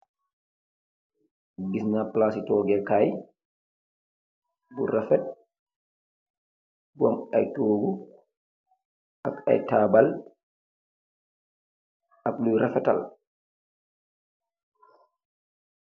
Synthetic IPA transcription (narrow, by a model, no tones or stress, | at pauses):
disnaplasitɔːɡɛkaj | buɾafɛt̚ | bɔmajtoːɡu | ʔaka̰jtaːbal | aklujɾafɛta̰l